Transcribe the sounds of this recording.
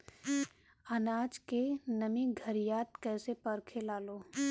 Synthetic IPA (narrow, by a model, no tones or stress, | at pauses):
ənaːd͡ʒkenɐmĩɡʱəɾijaːt̪̚kɛːsepɐɾkʰelaːloː